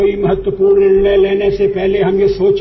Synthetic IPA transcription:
oimɐɦət̪wəpuːɾnɪnleleːnesepɛɦleɦɐmjesoːt͡ʃ

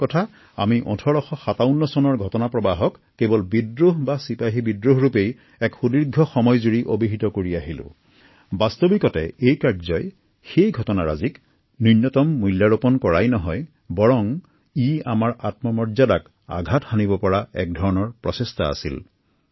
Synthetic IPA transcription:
kɔtʰa | a̰miʔɔ̰̃tʰɔɹɔxɔxataʊnːɔsɔnɔɹɡʱɔtɔnapɹɔbaɦɔkːebɔlbidɹuɦbasipajɦibidɹuɦɹupej | ɛkxudiɹɡʱɔxɔmɔjzuɹiʔobiɦitɔkoɹiaɦilʊ̰̃ | bastobikɔtɛ̰ejkaɹzɔj | xejɡʱɔtɔnaɹa̰zik | nunːɔtɔmːujljaɹopɔnkɔɹajnɔɦɔj | bɔɹɔŋ | iamaɹatmɔmɔɹzadak | a̰ɡʱathanibɔpɔɹaɛ̰k̚dʱɔɹɔnɔɹpɹɔsesta̰a̰sḭl

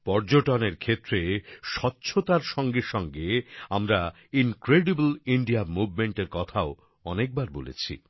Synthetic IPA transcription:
pɔɾd͡ʑoʈɔneɾkʰet̪ːɾeʃɔtːɕʰot̪aɾʃɔŋɡeʃɔŋɡeamɾa | inkɾeɖibliɳɖiamubʱmeɳʈeɾkɔt̪ʰao | ɔnek̚baɾbolḛt͡ɕʰḭ

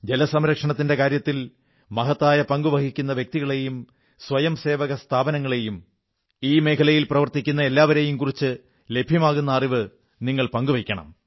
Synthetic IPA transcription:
d͡ʑelɐsɐmɾɐkʂɐɳɐt̪ːinde̞kaːɾjɐt̪ːil | mɐɦɐt̪ːaːjɐpɐŋɡuʋɐhikʲːunːɐʋjek̚t̪iɣɐɭe̞jum | sʋɐjɐmse̞ːʋɐɣɐst̪ʰaːbɐnɐŋːɐɭe̞jum | iːme̞ːkʰɐlɐjilprɐʋɐrt̪ikʲːunːɐe̞lːaːʋɐɾe̞jumkurit͡ɕːɨ | le̞bʱjɐmaːɣun̪ːɐːriʋɨ | niŋːɐɭpɐŋɡuʋɐkʲːɐɳɐ̰m

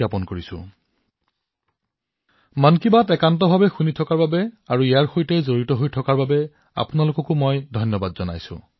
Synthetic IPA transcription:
apɔnkoɹisʊ̰̃ | mankibatɛkantɔbʱabɛxunitʰɔkaɹbabɛaɹuijaɹxojtɛzoɹitɔɦojtʰɔkaɹbabɛ | a̰punalokɔkʊmɔjdʱɔjnjɔbadzɔna̰jsʊ̰̃

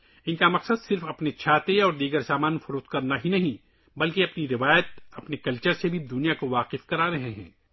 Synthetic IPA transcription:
ɪnkamɐqsəd̪sɪɾfɐpnet͡ʃʰaːt̪eɔːɾd̪iːɡəɾsaːmaːnfʊɾuːt̪kɐɾnaɦinɐɦĩ | bɐlkeɐpniɾɪʋaːjət̪̚ɐpnekɐlt͡ʃəɾsebʱid̪ʊnijakoʋaːqɪfkɐɾaːɾɐɦeɦɛ̰̃ː

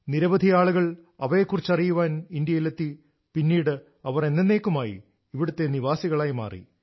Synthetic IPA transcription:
niɾɐbɐd̪ʱijaːɭuɣɐɭɐʋɐjekːurit͡ɕːɐrijuʋaːnind̪ijɐjilet̪ːi | pinːiːɽɨ | ɐʋɐre̞nːenːe̞ːkːumaːjḭː | ʋiɽut̪ːe̞niʋaːsiɣɐɭaːjma̰ːrḭ

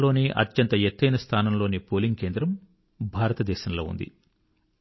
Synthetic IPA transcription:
lo̞ːniʔɐ̰t̪jɐnt̪ɐjet̪ːɐjnɐst̪ʰaːnɐmlo̞ːnipoːliŋɡke̞ːnd̪ɾɐm | bʱaːɾɐt̪ɐd̪ɛːʃɐnɐlo̞̰ːṵnd̪ḭ

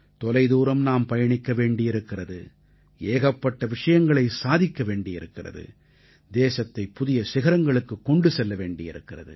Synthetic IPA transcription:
t̪ɔlɐɪðuːɾɐmnaːmpɐjɐɳɪkːɐʋeːɳɖɪjɪɾɯkːɪrɐðɯ̰ | eːɣɐpːɐʈːɐʋɪʂɐjɐŋɡɐɭɐɪsaːðɪkːɐʋeːɳɖɪjɪɾɯkːɪrɐ̰ðɯ̰ | d̪eːsɐt̪ːɐɪpːʊðɪjɐsɪɣɐɾɐŋɡɐɭɯkːɯkːɔɳɖɯsɛlːɐʋeːɳɖɪjɪ̰ɾɯkːɪrɐ̰ðɯ̰

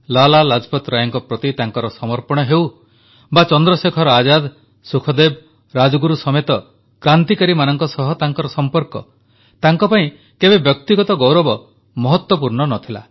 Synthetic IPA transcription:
lalalad͡ʒpɔt̪ɾajɔŋkɔpɾɔt̪it̪aŋkɔɾɔsɔmɔɾpɔɽ̃ɔɦew | bat͡ʃɔnd̪ɾɔsekʰɔɾɔad͡ʒad̪ | sukʰɔd̪eb | ɾad͡ʒɔɡuɾusɔmet̪ɔ | kɾant̪ikaɾimanɔŋkɔsɔɦɔt̪aŋkɔɾɔsɔmpɔɾkɔ̰ | t̪aŋkɔpaĩ | kebebjɔk̚t̪iɡɔt̪ɔɡɔwɾɔbɔ | mɔɦɔt̪wɔpuɾɳɔnɔt̪ʰila̰

